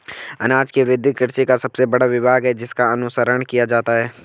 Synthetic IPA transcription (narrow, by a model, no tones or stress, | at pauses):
ɐ̰naːd͡ʒkiʋɾɪd̪ʱːɪkɪɾt͡ʃekasɐb̥sebɐɽaʋɪbʱaːɡɦɛd͡ʒɪskaɐnʊsəɾəɳ̃kijad͡ʒaːt̪aɦɛː